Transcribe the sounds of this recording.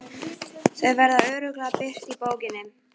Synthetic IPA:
θœðvɛɾðaœːɾʏklapɪr̥t̪ipoːwcɪnːɪm

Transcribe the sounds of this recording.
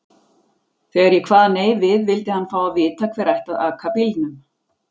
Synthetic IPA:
θɛːɣaɾjɛkʰvaːðaneːjvɪðvɪlt̪ɪhanːfaːwavɪːt̪ʰakʰvɛɾajht̪aðakʰapilt̪nʏm

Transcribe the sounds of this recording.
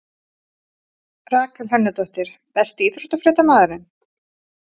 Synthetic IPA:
raːkalɦɛnːʏt̪ɔht̪ɪɾ̥θɛst̪iθɾɔ̥ht̪afɾɛːt̪amaːðʏɾɪn

